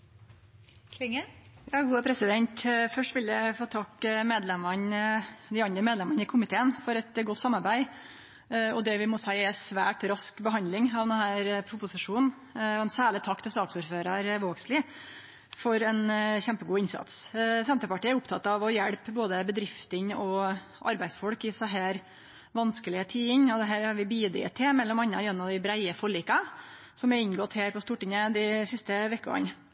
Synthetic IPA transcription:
kʰlɪŋəjɑːɡuːəpʰɾɛsɪd̪ɛnt̪fœʂʈʋɪljəfoːt̪ʰɑkːmeːd̪lɛmənd̪ɪɑnd̪ɾəmeːd̪lɛmɑnɪkʰʊmɪt̪ʰeːənfɔɾɛt̪ɡɔt̪ːsɑmːɑɾbæɪ | ɔd̪ɛʋɪmɔsæɪɛsʋæːʈɾɑskbəɦɑnd̪lɪŋɑʋd̪ɛnhæːɾpʰɾʊpʊsɪʂuːnn̩ | ɔɛnsæːɭɪt̪ʰɑkːt̪ʰɪlsɑːksʊɾføːɾɑɾʋoːɡslɪ | fɔɾɛnçɛmpəɡuːɪnsɑ̰t̪ssɛnt̪əpɑʈiːæɾʊpt̪ʰɑt̪ːɑʋɔjɛɽpboːd̪əbəd̪ɾɪft̪ənɔʔɑ̰ɾbæɪd̪sfɔɽkɪsɔɦæːɾ | ʋɑnskəlɪət̪ʰiːɪŋɔd̪ɛɦæːɾɑɾʋɪbiːd̪ɪ̰ət̪ʰːɛmɛlːɔmɑnːɑ̰jɛnːɑd̪ɪbɾæɪəfɔɭiːkɑ | sɔmæɾɪɲɡɔt̪hæːɾpɔst̪uːʈɪŋəd̪ɪsɪst̪əʋɛkːəɡɑ̰n

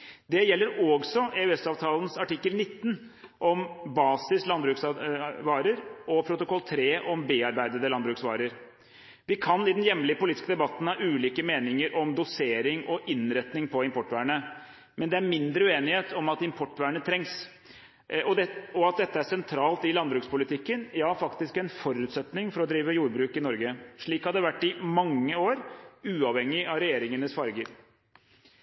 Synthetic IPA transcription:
d̪ɛjɛlːəɾɔːɡsɔeʉɛsɑːʋt̪ʰɑːlənsɑʈɪkːəlnɪt̪ːn | ʔɔmbɑːsɪslɑnbɾʉːksʋɑːɾəɾɔpʰɾʊt̪ʊkʰɔlːt̪ʰɾeːʔɔmbeːɑɾbæɪd̪əd̪əlɑnbɾʉːksʋɑ̰ːɾəɾ | ʋɪkʰɑnɪd̪ɛnjɛmːlɪəpʊliːt̪ɪskəd̪ɛbɑt̪ːn̩hɑːʔʉːliːkəmeːnɪŋəɾʔɔmd̪ʊseːɾɪŋɔʔɪnɾɛt̪nɪŋpʰɔɪmpʰɔʈːʋæːɳə | mɛnd̪ɛæɾmɪnd̪ɾəʉːeːnɪheːt̪ʰɔmɑt̪ɪmpʰɔʈːʋæːɳət̪ʰɾɛŋs | ɔɔɑt̪̚d̪ɛt̪ːəæsɛnt̪ʰɾɑːlt̪ɪlɑnbɾʉːkspʊlɪt̪ʰɪkːənjɑːfɑkt̪ɪskɛnfɔɾʉːt̪sɛt̪nɪŋfɔɾɔd̪ɾiːʋəjuːɾbɾʉːkɪnɔɾɡəʂɭiːkhɑd̪ːəʋæʈːɪmɑŋːəoːɾʉːɑʋhɛŋːɪɑʋɾɛjeːɾɪŋənəsfɑɾɡəɾ

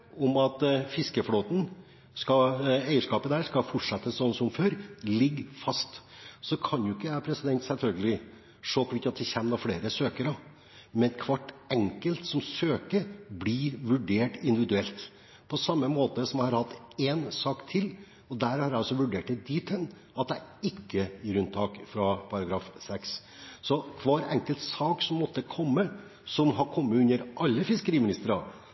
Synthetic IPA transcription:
ɔmɑt̪fɪskəfloːt̪n̩ | skɑeɪəʂkɑːpəæːɾʂkɑfɔʈʂɛt̪ːəssɔnːsɔmføːɾlɪɡfɑst̪sɔkʰɑnjʊɪkːəæpʰɾɛsɪd̪ɛnt̪sɛlfœlɡəlɪ | ʂoːkʋɪt̪ɑt̪d̪ɛçɛmnɑfleːɾəsøːkəɾɑ | mɛnkʰʋɑʈːɛŋkəlt̪sɔmsøːkəbliɾʋʉɖeːʈɪnd̪ɪʋɪd̪ʉɛlt̪ | pʰɔsɑmːəmoːt̪əsɔmæhɑɾhɑt̪ːeːnsɑːkt̪ʰɪlː | ɔd̪æːɾhɑɾæɪɔsɔʋʉɖeːʈɪd̪iːt̪ʰən | ɑt̪̚d̪æɪɪkːəɪɾʉnt̪ʰɑːkfɾɑpʰɑɾɑɡɾɑːfsɛks | sɔkʰʋɑːɾɛ̰ŋkəlt̪sɑːksɔmːɔt̪ːəkʰɔmːə | sɔmhɑɾkʰɔmːəʉnːəɾʔɑlːəfɪskəɾiːmɪnɪst̪əɾɑ

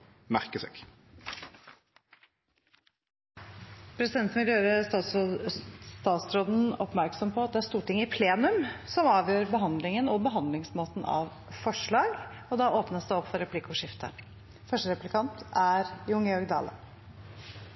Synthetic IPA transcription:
mæʁkəsø̰k | pʰɾɛsɪd̪ɛnt̪mɪljøːɾə | st̪ɑːt̪sɾoːd̪n̩ɔpmæɾksɔmpʰɔɑt̪̚d̪ɛæst̪uːʈɪŋːəɪpʰleːnʉmsɔmɑːʋjøːɾbəɦɑnd̪lɪŋənɔbəɦɑnd̪lɪŋsmoːt̪n̩ʔɑ̰ʋ | fɔʂɭɑːɡ | ɔd̪ɑoːpnəsd̪ɛɔpːfɔɾɛpʰlɪkʊʂɪft̪ʰə̰ | fœʂʈəɾɛplɪkʰɑnt̪æɾjʊŋːəjɔɾɡd̪ɑ̰ːlə̰

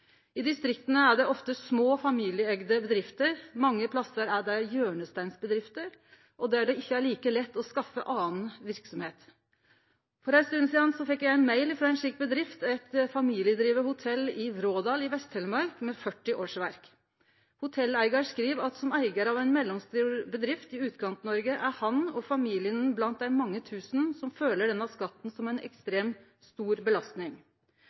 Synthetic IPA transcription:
ɪd̪ɪst̪ɾɪkt̪ənəæɖɛʔɔft̪əsmoːfɑmiːlɪəɛɡd̪əbəd̪ɾɪft̪əɾmɑŋːəpʰlɑsəɾæɖæjøːɳəst̪æɪnsbəd̪ɾɪft̪əɾ | ʔɔd̪æɖɛɪçːəæɭiːkəlɛt̪ːɔskɑfːəʔɑːnn̩ʋɪɾksɔmheːt̪ | fɔɾæst̪ʉd̪n̩siːd̪ɑnsɔfɛkːjæɪæɪnmæɪlɪfɾɑːɛnʂɪkːbəd̪ɾɪft̪ɛt̪fɑmiːlɪəd̪ɾiːʋəəhʊt̪ʰɛlɪɾoːd̪ɑːlɪʋɛst̪hɛːləmɑɾkmɛfœʈːɪʔoːʂʋæɾk | hʊt̪ʰɛlːæɪɡɑɾʂkɾiːʋɑt̪sɔmæɪɡəɾɑʋæɪnmɛlːɔmst̪yːɾbəd̪ɾɪft̪ɪʉːt̪kʰɑnt̪nɔɾɡəʔæɾhɑnɔfɑmiːlɪənblɑnt̪̚d̪æɪmɑŋːət̪ʰʉːsnsɔmføːləɖɛnːəɑskɑt̪ːn̩sɔmæɪnɛ̰kst̪ɾeːm | st̪uːɾbəlɑst̪nɪŋ

